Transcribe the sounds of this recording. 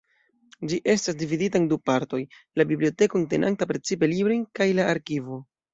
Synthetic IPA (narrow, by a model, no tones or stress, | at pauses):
d͡ʒiʔe̞stasdividitaendupaɾto̞jlabiblio̞te̞koŋnte̞nʔa̰ntapɾe̞t͡sipe̞libɾojnkajlaːɾkivo̞